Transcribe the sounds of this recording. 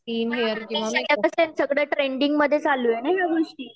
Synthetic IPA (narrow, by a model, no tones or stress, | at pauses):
iːnɦeəɾkĩsəkjakəsensəɡɽjaʈɾeɳɖiŋɡməd̪ʱːjet͡saluːjenajjaɡoʂʈiː